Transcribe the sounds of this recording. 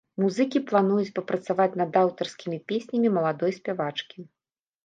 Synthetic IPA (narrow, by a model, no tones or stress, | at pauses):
muzɨkʲiplˠanujut͡sʲpɐpɾɐt̪savat͡sʲnɐd̪awt̪ɐrskʲimʲipʲesʲnʲɐmʲimɐlˠad̪ɔjsʲpʲavat͡ʂkʲi